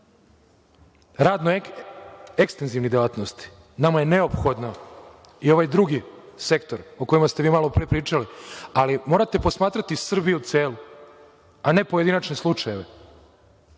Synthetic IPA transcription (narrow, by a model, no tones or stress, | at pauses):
ɾaːd̪no | ekst̪e̞nziʋnid̪elaːt̪nost̪i̥ | namaje̞ne̞o̞pxo̞d̪no | io̞ʋajd̪ɾuɡise̞kt̪o̞ɾokojimast̪e̞ʋiːmalopɾepɾiːt͡ʃalialimo̞ːɾat̪e̞po̞smaːt̪ɾat̪isr̩bijuut̪seːlu | ane̞pojeinat͡ʃneslˠut͡ʃaje̞ʋe